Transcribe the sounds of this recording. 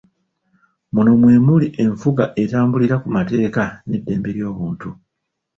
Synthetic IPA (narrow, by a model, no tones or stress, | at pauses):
muno̞mwe̞ːmuliʔe̞ɱfuɡaʔe̞taːmbuliɾakumate̞ːkane̞dːe̞ːmbe̞ɾjo̞ːβuːntu